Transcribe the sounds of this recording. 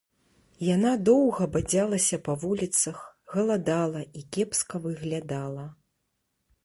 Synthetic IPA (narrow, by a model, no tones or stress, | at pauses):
janad̪ɔwɣɐbad͡zʲalˠɐsʲɐpɐvulʲit̪sɐxɣɐlˠad̪alˠɐʔikʲɛpskɐvɨɣlʲad̪alˠɐ